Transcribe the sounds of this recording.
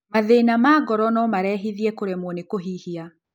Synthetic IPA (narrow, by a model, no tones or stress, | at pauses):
maðenamaɡɔɾɔnɔmaɾɛːɦiðiɛkoɾemwonekoɦihia